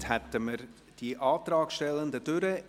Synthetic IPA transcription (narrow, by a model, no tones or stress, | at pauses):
hɛtəməɾ | d̥iʔɑːt̪rɑːkʃtɛlːəndəd̥ʏɾə